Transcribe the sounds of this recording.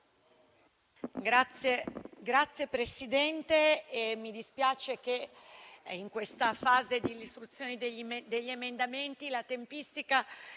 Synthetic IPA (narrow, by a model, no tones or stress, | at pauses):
eɡɾat̪sːjepɾesid̪ɛnt̪eːmid̪ispjaːt͡ʃek̟e | iŋkwest̪afaːzed̪ilist̪ɾut̪sːjoːnid̪eʎːid̪eʎːemend̪ament̪ilat̪empist̪ika